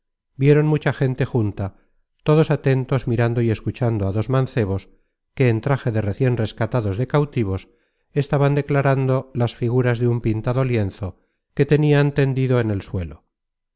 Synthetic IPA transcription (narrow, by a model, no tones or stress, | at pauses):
bje̞ɾo̞nmut͡ʃaxe̞nt̪e̞xunt̪a | t̪o̞ð̞o̞sat̪e̞nt̪o̞zmiɾand̪o̞ie̞skut͡ʃand̪oaðo̞zmãnθe̞β̞o̞s | ke̞ːnt̪ɾaxe̞ðe̞re̞θje̞nre̞skat̪aðo̞zðe̞kawt̪iβ̞o̞s | e̞st̪aβand̪e̞klaɾand̪o̞lasfiɣuɾazðeumpint̪aðo̞lje̞nθo̞ | ke̞t̪e̞niaent̪e̞nd̪iðoene̞lswe̞lo